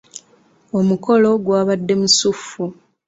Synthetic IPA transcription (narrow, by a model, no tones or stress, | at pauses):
o̞muko̞lo̞ɡwaːβadːe̞musufːu